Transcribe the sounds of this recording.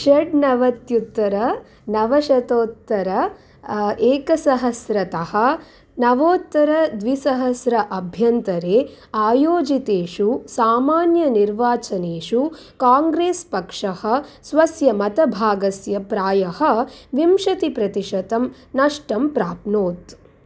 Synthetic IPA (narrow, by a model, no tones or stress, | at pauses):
ʃɐɖ̚nɐʋɐt̪jut̪ːɐɾɐ | nɐʋɐʃɐt̪oːt̪ːɐɾɐ | eːkɐsɐɦɐsɾɐt̪ɐhɐ | nɐʋoːt̪ːɐɾɐd̪ʋisɐɦɐsɾɐʔɐbʱjɐnt̪ɐɾeː | aːjoːd͡ʒit̪eːʂusaːmaːnjɐniɾʋaːt͡ʃɐneːʂu | kaːŋɡɾeːspɐkʂɐhɐ̆sʋɐsjɐmɐt̪ɐbʱaːɡɐsjɐpɾaːjɐhɐ̆ʋimʃɐt̪ipɾɐt̪iʂɐt̪ɐm | nɐʂʈɐmpɾaːpnoːt̪